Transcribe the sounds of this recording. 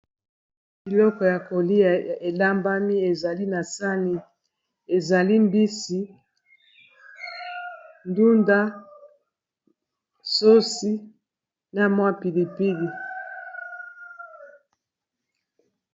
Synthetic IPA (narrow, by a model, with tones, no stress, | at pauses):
bi˨lɔ˦kɔ˨ja˨ko˨li˦a˨e˨la˦mba˦mi˦e˨za˨li˦na˨sa˦ni˨ | e˨za˨li˦mbi˦si˦ | ndu˦nda˦ | so˦si˦ | na˦mwa˦pi˨li˨pi˦di˨